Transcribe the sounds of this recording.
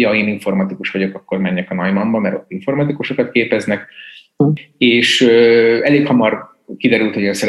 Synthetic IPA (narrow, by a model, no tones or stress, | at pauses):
jɒeːniɱfo̞rmɒt̪ikuʃʋɒɟo̞kɒkːo̞rmɛɲːɛkɒnɒjmɒmbɒmɛɾo̞̰t̪ːiɱfo̞rmɒt̪ikuʃo̞kɒt̪̚keːpɛznɛk | eːʃøɛleːkhɒmɒr | kid̪ɛɾylt̪ho̞ɟøːnsɛ